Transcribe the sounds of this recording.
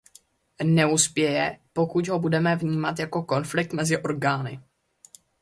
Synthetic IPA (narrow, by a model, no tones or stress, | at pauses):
nɛuspjɛjɛpo̞kuɟɦo̞budɛmɛvɲiːmat̪jako̞ko̞nflɪk̚t̪mɛzɪʔo̞ɾɡaːnɪ